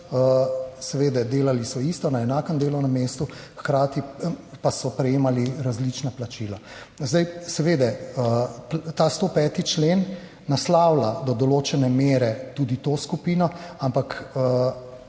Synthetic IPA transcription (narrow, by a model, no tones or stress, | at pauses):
əsɛʋeːd̪ɛd̪eːlalisɔist̪ɔnaɛnaːkəmd̪eːlɔwnɛmːeːst̪uxkɾaːt̪ipasɔpɾɛjeːmaliɾazlit͡ʃnaplat͡ʃila | zd̪ajsɛʋeːd̪ɛət̪ast̪opɛːt̪it͡ʃleːnː | aslawlad̪ɔd̪ɔloːt͡ʃɛnɛmeːɾɛt̪uːd̪it̪oskupiːnɔampakə